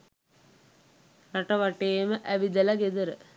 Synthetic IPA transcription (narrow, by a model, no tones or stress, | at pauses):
nɐʈɐʋɐʈːeːməʔæʋid̪ɐlɐɡed̪ɐɾə